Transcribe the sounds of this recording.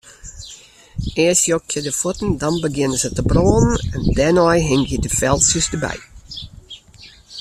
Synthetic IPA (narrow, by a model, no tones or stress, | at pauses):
eːsjokjədəfɔtn̩dɑnbəɡɪnəz̥ətəbroːnənɛndɛnɔjɦɪŋjədəfɛlˠsjəsdəbɛ̰j